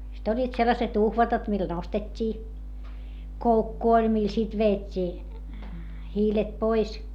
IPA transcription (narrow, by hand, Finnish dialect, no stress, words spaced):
sit olʲːiːt selːɑset uhʋɑtɑt mil nostetʲːiː koukːu olʲ mil sit ʋeːtʲːiː hiːlet pois